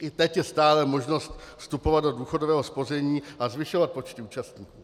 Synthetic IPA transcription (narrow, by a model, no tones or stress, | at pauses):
ʔɪt̪ɛcjɛst̪aːlɛmo̞ʒno̞st̪fst̪upo̞vad̪do̞duːxo̞dovɛːɦo̞spo̞r̝ɛɲiːʔazvɪʃo̞vat̪̚po̞t͡ʃt̪ɪuːt͡ʃast̪ɲiːkuː